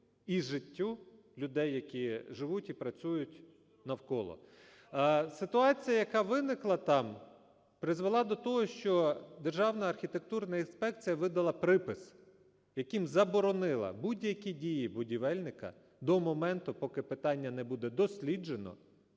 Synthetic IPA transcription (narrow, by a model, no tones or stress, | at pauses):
iʒɪtʲːu | lʲʊd̪ɛjːɐkʲiʒɪʋutʲipɾɐt͡sʲujʊtʲ | nɐwkɔlˠɔ̰ | sɪt̪ʊɑt͡sʲijɐjɐkɑʋɪnɪklˠɐt̪ɑm | pɾɪzʋelˠɑd̪ɔt̪ɔɦɔʃt͡ʃɔd̪erʒɑwnɐɐrxʲit̪ek̚t̪urnɐinspɛk̚t͡sʲijɐʋɪd̪ɐlˠɐpɾɪpɪs | jɐkimzɐbɔɾɔnɪlˠɐ̰budʲjɐkʲidʲijibʊdʲiʋɛlʲnɪkɐ̰ | d̪ɔmɔmɛnt̪ʊpɔkɪpɪt̪ɑnʲːɐnɛbud̪ɛd̪ɔsʲlʲid͡ʒenɔ̰